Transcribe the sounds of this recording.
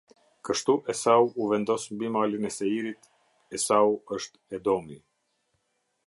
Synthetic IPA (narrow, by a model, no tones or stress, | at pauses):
kəʃt̪uʔɛsauuvɛnd̪ɔsmbimalinɛsɛiɾit̪ | ɛsauəʃt̪ɛd̪ɔmi